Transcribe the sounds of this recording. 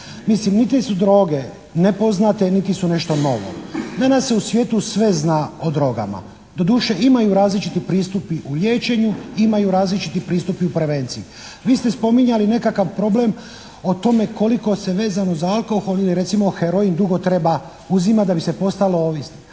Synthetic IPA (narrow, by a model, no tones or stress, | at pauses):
mislimnit̪isud̪ɾo̞ːɡe̞ | nepo̞znat̪e̞nit̪isune̞ʃt̪o̞no̞̰ʋo̞̰d̪anasːeusʋje̞ːt̪usʋeznaːod̪ɾo̞ɡa̰ma̰ | d̪o̞d̪uːʃe̞imajuɾaːzlit͡ʃit̪ipɾiːst̪upiʔuʎje̞ːt͡ʃe̞ɲuimajuɾaːzlit͡ʃit̪ipɾiːst̪upiupɾeʋe̞ːnt̪siu | ʋiːst̪e̞spo̞miɲaline̞kakaʋpɾo̞ble̞m | ot̪o̞me̞ko̞liko̞se̞ʋe̞ːzano̞zaalˠko̞xoliliɾe̞t̪simo̞xeɾo̞ind̪uɡo̞t̪ɾe̞ba | uzimad̪abise̞po̞st̪alooʋisni